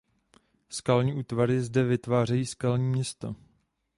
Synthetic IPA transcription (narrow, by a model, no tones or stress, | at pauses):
skalɲiːʔuːt̪vaɾɪzdɛvɪt̪vaːrɛjiːskalɲiːmɲɛst̪o